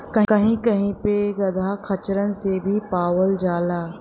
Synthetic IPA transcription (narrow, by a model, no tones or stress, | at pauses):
kɐkɐɦĩkɐɦĩpeɡɐd̪ʱakʰɐt͡ʃɾənɪ̆sebʱipaːʋəld͡ʒaːlaː